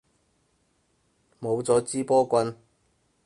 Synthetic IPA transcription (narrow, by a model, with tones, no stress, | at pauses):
mo˨˧wt͡sɔː˨˥t͡siː˥pɔː˥kʷɐ˧n